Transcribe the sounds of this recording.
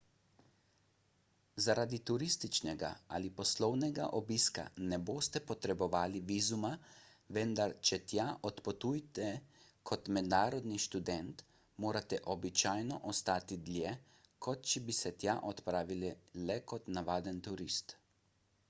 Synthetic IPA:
zaɾʔaːd̪it̪uɾist̪it͡ʃnɛɡa̰a̰lipɔslɔwnɛɡa̰ʔɔbiska̰nɛboːst̪ɛpɔt̪ɾɛbɔʋaːliʋiːzuma | ʋɛnd̪aɾt͡ʃɛt̪jaʔɔt̪pɔt̪ujt̪ɛkʰɔt̪mɛd̪naːɾɔd̪niʃt̪ud̪ɛnt̪ | moːɾat̪ɛʔɔbit͡ʃaːjnɔʔɔst̪aːt̪id̪lʲjɛ | kʰɔt̪t͡ʃɛbisɛt̪jaʔɔt̪pɾaːʋilɛlɛkɔt̪naʋaːd̪ənt̪uɾist̪

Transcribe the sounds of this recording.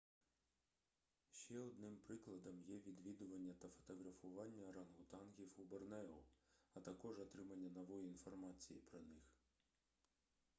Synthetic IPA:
ʃt͡ʃɛɔd̪nɪmpɾɪklˠɐd̪ɐmjɛʋʲid̪ʋʲid̪ʊʋɐnʲːɐt̪ɐfɔ̥t̪ɔɦɾɐfʊʋɑnʲːɐɾɐnɦʊt̪ɑnɦʲiwubɔrnɛʊɐt̪ɐkɔʒɔt̪ɾɪmɐnʲːɐnɔʋɔjiinfɔrmɑt͡sʲijipɾɔnɪx

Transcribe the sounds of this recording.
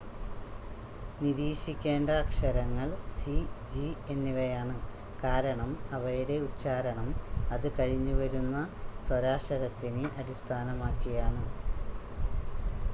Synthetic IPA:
niɾiːʂikʲːe̞ːndɐːkʂɐɾɐŋːɐɭsid͡ʑie̞nːiʋɐjaːɳɨ | kaːɾɐɳɐmɐʋɐjuɽe̞ut͡ɕːaːɾɐɳɐmɐðɨkɐɻiɲːuʋɐɾunːɐswɐɾaːʂɐɾɐt̪ːinɨʔɐɽist̪ʰaːnɐmaːkːijaːɳɨ

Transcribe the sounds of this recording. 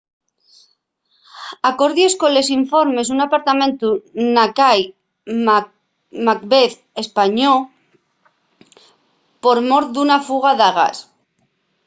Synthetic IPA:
ako̞ɾðjesko̞le̞s̬iɱfo̞ɾme̞s̬unapaɾt̪amẽ̞nt̪unakaj | mak̚beθ | e̞spaɲo | po̞ɾmo̞ɾd̪unafuɣ̞aðaɣa̰s

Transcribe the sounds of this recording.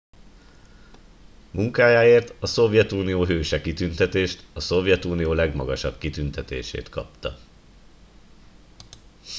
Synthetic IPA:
muŋkaːjaːeːrt̪ɒso̞vjɛt̪uːnijoːɦøːʃɛkit̪ynt̪ɛt̪eːʃt̪ɒso̞vjɛt̪uːnijoːlɛɡmɒɡɒʃɒbkit̪ynt̪ɛt̪ḛːʃḛːt̪kɒ̰p̚t̪ɒ

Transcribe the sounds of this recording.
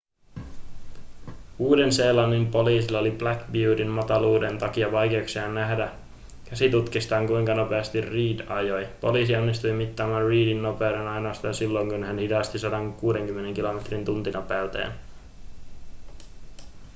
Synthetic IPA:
uːde̞nse̞ːlɑnːimpo̞liːsilːɑoliblækbuːdinmɑt̪ɑluːde̞nt̪ɑk̟iɑʋɑjk̟e̞uksiɑnːæɦdæ | kæsit̪ut̪kist̪ɑːŋkujŋkɑno̞pe̞ɑst̪irriːdɑjo̞jpo̞̰liːsio̞nːist̪ujmit̪ːɑːmænriːdinːo̞pe̞ude̞nɑjnoːst̪ɑɑsilːo̞jŋkunhænhidɑst̪isɑdɑŋkuːde̞ŋkymːe̞ne̞ŋkilo̞met̪rint̪unt̪inopæyt̪ḛːn

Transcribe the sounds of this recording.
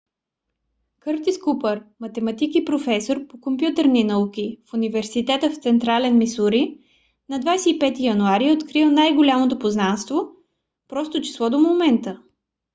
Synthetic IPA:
kɤɾt̪iskupəɾmɐt̪ɛmɐt̪ikipɾofɛsoɾpokompjut̪əɾninɐukʲifunivɛɾsit̪ɛt̪əft̪sɛnt̪ɾalɛnmisuɾi | nɐd̪vajsɛipɛt̪ijɐnuaɾiot̪kɾilˠnajɡolʲamot̪opoznanst̪vo | pɾɔst̪ot͡ʃi̥slˠɔd̪omomɛnt̪ə

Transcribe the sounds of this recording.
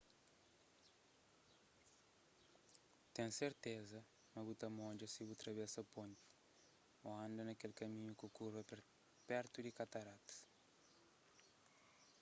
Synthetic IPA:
t̪ẽŋseɾt̪ezɐ | mɐβut̪ɐmõnd͡ʒɐsiβut̪ɾɐβɛsɐpõnt̪i̥ | oɐ̃nd̪ɐnɐkelkɐmĩɲukukuɾɐ | pɛɾt̪ud̪ikɐt̪ɐɾat̪s

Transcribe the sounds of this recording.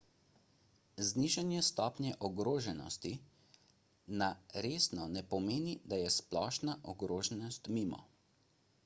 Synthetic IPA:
zniʒanjɛst̪ɔːpnjɛʔɔɡɾoːʒɛnɔ̰st̪i | naɾeːsnɔnɛpɔmeːnid̪ajɛsplɔːʃnaʔɔɡɾoːʒɛnɔst̪miːmɔ̰

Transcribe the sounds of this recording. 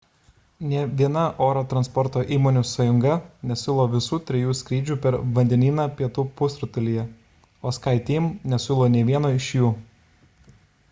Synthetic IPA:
nʲɛʋʲiɛnɐʔoːɾoːt̪ɾɐnspɔɾt̪oːʔiːmoːnʲusɐjʊŋɡɐnʲɛsʲɪlˠoːʋʲɪsuːt̪ʲɾʲɛjuːsʲkʲɾʲiːd͡ʒʲuːpʲɛɾʋɐnʲd̪ʲɛnʲiːnɑːpʲiɛt̪uːpʊsɾʊt̪ɐlʲijɛ | oːskɐɪt̪ʲiːmnʲɛsʲɪlˠoːnʲɛɪʋʲiɛnoːɪʃjuː

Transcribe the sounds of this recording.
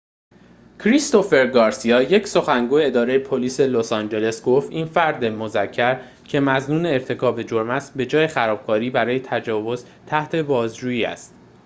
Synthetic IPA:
cʰɾist̪o̞fe̞ɾɡɒːɾsiɒːje̞cʰso̞xæŋɡuːje̞ed̪ɒːɾe̞jepʰoliːse̞losɒːnd͡ʒe̞le̞sɡo̞ft̪iːnfæɾd̪emo̞zæcʰːæɾ | cʰe̞mæznuːne̞ːɾt̪ʰe̞kʰɒːbe̞d͡ʒoɾmæsbe̞d͡ʒɒːje̞xæɾɒːb̥̚kʰɒːɾiːbæɾɒːje̞t̪ʰæd͡ʒɒːvo̞z | t̪ʰæht̪ʰe̞bɒːzd͡ʒuːjiːæ̰st̪̚

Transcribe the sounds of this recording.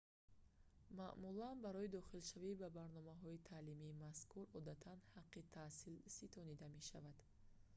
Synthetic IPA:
ma̰ʔmulanbaɾɔid̪ɔχilʃavibabaɾnɔmaɦɔit̪ʰaːlimiːmaskʰuɾɔd̪at̪ʰanhaqːit̪ʰasilsit̪ʰɔnid̪ame̞ʃavad̪̥

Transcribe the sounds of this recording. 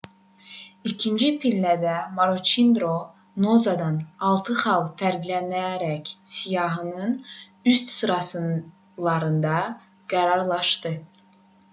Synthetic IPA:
icʰind͡ʒipʰilːæd̪æmoɾot͡ʃind̪ɾo̞ | nozɑd̪ɑnɑlˠt̪ʰɯχɑlˠfæɾɡlænæɾæcsijɑɦɯnɯn | yst̪sɯɾɑsɯn | lˠɑɾɯnd̪ɑ | ɡ̥æɾɑɾlˠɑʃt̪ɯ

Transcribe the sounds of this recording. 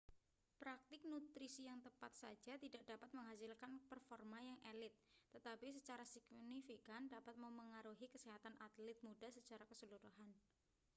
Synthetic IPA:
pɾak̚t̪ɪk̚nut̪ɾisijaŋt̪əpat̪̚sa̰̥d͡ʒ̥at̪idaʔ̚d̥apat̪̚məŋɦasɪlkanpərfɔrmanjaŋʔelɪt̪̚ːət̪apis̬ət͡ʃaɾasiɡnifikandapat̪̚məməŋaɾuɦikəseɦat̪anʔat̪lɪt̪̚mudahsət͡ʃaɾakəsəluɾuɦan

